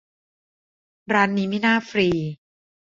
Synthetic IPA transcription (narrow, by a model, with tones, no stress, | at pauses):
ɾaː˧nːiː˧mi˦˥˨naː˥˩fɾiː˧